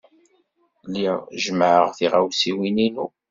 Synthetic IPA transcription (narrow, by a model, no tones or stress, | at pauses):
lːiʁʒmʕəʁθiʁawsiwininṵ